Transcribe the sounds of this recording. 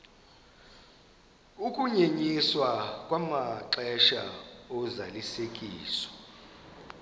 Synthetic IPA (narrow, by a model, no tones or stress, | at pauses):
ukʼuɲeɲiswakʼwamaǁɛʃa̰ɔzalisekʼiːsɔ̥